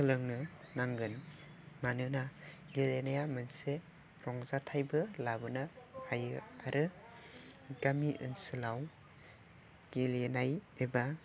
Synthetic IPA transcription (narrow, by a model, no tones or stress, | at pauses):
kɯlɯŋnɯ | naŋɡɯn | manɯna | ɡelenajamɯnse | ɾɔŋzatʰajbɯlabɯnaajɯaɾʔɯ | ɡamiʔɯ̰nsɯlaw | ɡ̥elenajeba